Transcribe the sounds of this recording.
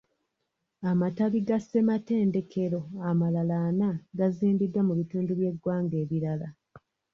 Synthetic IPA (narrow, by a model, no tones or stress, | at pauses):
amataβiɡase̞mate̞ːnde̞kʰe̞ɾo̞amalalaːnaɡaziːmbidːwamuβituːnduβje̞ɡwaːŋɡe̞ːβiɾala